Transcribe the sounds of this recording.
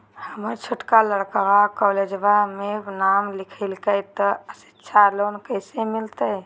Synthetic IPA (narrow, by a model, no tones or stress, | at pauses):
həməɾt͡ʃʰʊʈkaləɽkəɾakɔːled͡ʒbamenamlikʰəɪlkəjt̪ɔəsi̥tːʃʰaloːnkəjsemɪlt̪ə